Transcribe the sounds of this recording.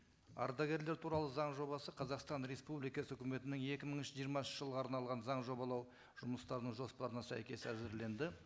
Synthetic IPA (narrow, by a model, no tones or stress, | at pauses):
ɑ̰ɾd̪ɑɡʲe̞ɾle̞ɾt̪ʰuɾɑlˠəzɑɴʒo̞bɑsəqʰɑzɑqst̪ɑnɾe̞spublijkɑsəɵkʲɪme̞t̪ɪnɪŋe̞kʲɪməɴənʃəʒijəɾmɑsnʃəʒəlˠʁəɑɾnɑlˠʁɑnzɑɴʒo̞bɑlˠɑw | ʒ̥ʊməst̪ɑɾənəɴʒo̞spɑɾənɑsæ̰jkʲe̞sæzɪɾle̞nd̪ɪ